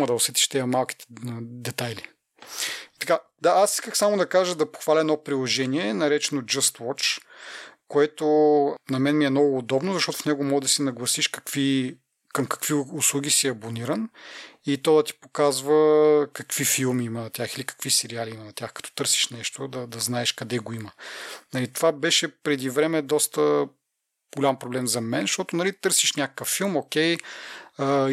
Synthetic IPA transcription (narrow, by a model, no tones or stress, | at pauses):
ɐd̪ɐʊsɛt̪i̥ʃt̪ɛimɐmalˠkʲi̥t̪ɛ̥d̪ɛt̪ajli | it̪ɐ̥ka | d̪aasiskəxsamod̪ɐkaʒəd̪ɐpo̥xvalʲɐɛnɔpɾilˠoʒɛniɛnɐɾɛt͡ʃɛnod͡ʒɐst̪wɔt͡ʃ | koɛt̪onɐmɛnmiɛmnɔɡʊːd̪ɔbnozɐʃt̪ɔt̪ʊ̥fnɛɡomɔɡəd̪ɐsɛnɐɡlˠɐsiʃkɐ̥kvi | kɐmkɐ̥kv̥iʊslˠuɡ̟ʲisiɐboniɾənit̪ɔd̪ɐt̪i̥pokazvəkɐkvifilˠmiimɐnɐt̪ʲaxilikɐ̥kvisɛɾialiimɐnɐt̪ʲaxkɐ̥t̪ɔ̥t̪ɤɾsi̥ʃnɛʃt̪od̪ɐd̪ɐznaɛʃkɐd̪ɛɡoimənɐlit̪ovabɛʃɛpɾɛd̪ivɾɛmɛd̪ɔst̪ə | ɡolʲampɾoblɛmzɐmɛnsʃt̪ɔt̪ʊnɐlit̪ɤɾsiʃnʲakə̥kəfːilˠmokʲɛj